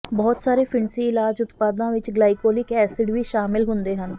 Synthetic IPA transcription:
bɔːt̪saːɾeːpʰɪɳsiːɪlaːd͡ʒʊt̪paːd̪nãːʋɪt͡ʃɡlaːikoːlɪkɛːsɪɖʋiːʃaːmɪlɦʊ̃nd̪eːɦən

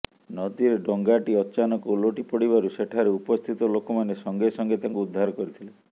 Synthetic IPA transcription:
nɔd̪iɾeɖɔŋɡaʈiɔt͡ʃanɔkoloʈipɔɽiβaɾuseʈʰaɾeupɔst̪ʰit̪ɔlokɔmanesɔŋɡesɔŋɡet̪aŋkuud̪ʱːaɾɔkɔɾit̪ʰile

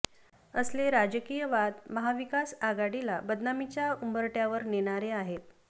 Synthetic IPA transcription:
əsleɾad͡ʑəkijəʋad̪məɦaʋikasaɡaɽilabəd̪namit͡ɕjaumbəɾʈjaʋəɾneɽ̃aɾeaɦet̪̚

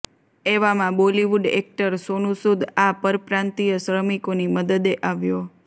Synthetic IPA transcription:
eʋamãbɔliʋuɖḛk̚ʈəɾsonũsud̪ʱapəɾpɾãnt̪ijəsɾəmikoniməd̪əd̪eʔaʋjo

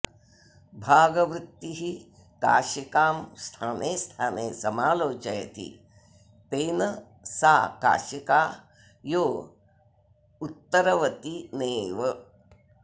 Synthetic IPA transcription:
bʱaːɡɐʋɾɪt̪ːiɦi | ka̰ːʃikaːmst̪ʰaːnʔeːst̪ʰaːneːsɐmaːloːt͡ʃɐjt̪ḭ | peːnɐ | saːka̰ːʃikaː | joː | ut̪ːɐɾɐʋɐt̪ineːʋɐ

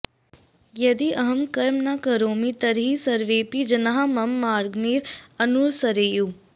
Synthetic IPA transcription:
jɐd̪iʔɐɦəmkəɾmnaːkəɾoːmit̪əɾɦisəɾʋeːpid͡ʒənaɦamɐmːaːɾɡmiːɾənuɾsɐɾeːjuː

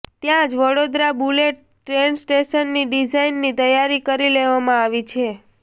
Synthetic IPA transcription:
t̪jãd͡ʒʋəɽod̪ɾabuleʈ̚ | ʈːɾensʈeʃənːiɖid͡ʒainːit̪əjaɾikəɾileʋamãaʋit͡ʃʰe

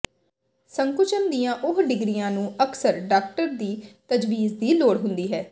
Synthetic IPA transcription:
səŋkʊt͡ʃənd̪ijãːʔʊɦɖɪɡɾijãːnũːəksəɾɖaːk̚ʈəɾd̪iːt̪əd͡ʒʋiːzd̪iːloːɽɦʊnd̪iːɦɛː

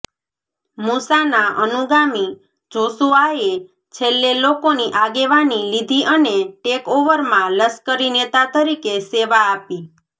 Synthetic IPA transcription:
musanaʔənuɡami | d͡ʒosuae | t͡ʃʰelːelokoniʔaɡeʋanilid̪ʱiʔəneʈekoʋəɾmãləskəɾinet̪at̪əɾikeseʋaːpi

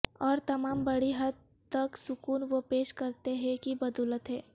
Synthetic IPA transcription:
ɔːɾt̪ɐmaːmbɐɽiɦɐd̪̚ | t̪ːɐksʊkuːnʋopeːʃkɐɾt̪eɦɛ̃kibɐd̪uːlət̪ɦɛ̃ː

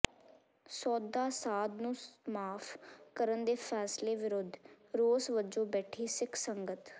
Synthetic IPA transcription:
sɔːd̪aːsaːd̪nũːmaːpʰkəɾənd̪eːpʰɛːsleːʋɪɾʊd̪ʱ | ɾoːsʋəd͡ʒõːbɛːʈʰiːsɪkʰsəŋɡət̪

